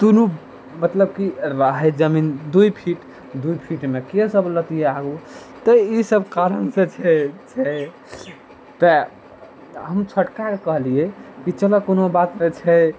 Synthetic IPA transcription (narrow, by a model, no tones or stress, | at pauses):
t̪unu | mət̪ləb̚kiɾəɦəd͡ʒəmind̪ujpʰiʈ | d̪uipʰiʈmekesəblət̪ieaɡu | t̪əisəbkaɾənsẽt͡ʃʰɛt͡ʃʰɛ | t̪ə | ɦəmt͡ʃʰəʈkakekəɦliekit͡ʃəlɔkonobat̪met͡ʃʰɛ